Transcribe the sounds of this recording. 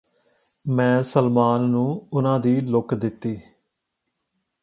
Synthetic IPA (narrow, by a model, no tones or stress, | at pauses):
mɛ̃ːsəlmaːnːũːʊnãːd̪iːlʊkd̪ɪt̪ːiː